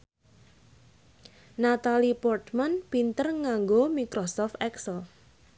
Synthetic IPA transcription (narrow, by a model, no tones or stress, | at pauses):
nat̪alipɔrt̪manpint̪ərŋaŋɡomikɾɔsɔft̪ɛksəl